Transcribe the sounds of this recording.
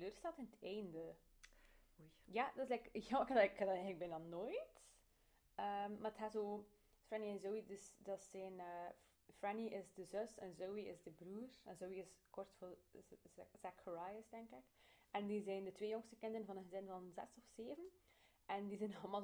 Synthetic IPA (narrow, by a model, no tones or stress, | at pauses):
əløːrstɛlˠtɪnətʰɛjndə | jadɑtɪslɛɪkjakədɪkadɑɛɣənləɡ̚bɛnanoːjt | əmːaːrətɦɛtzoː | frɛniɪzowidəsdɑtsɛnəː | franiʔɪzdəzøstɛnzowiɪzdəbruːrɛnzowiɪskɔrtfol | z̥akʰəɹajɪstɛŋkɪkɛndizɛjndətʋeːjoŋstəkɪndənvɑnənɣəzɪnvɑnzɛ̰sɔfseːvən | ɛndizɛnɑləmaːlˠ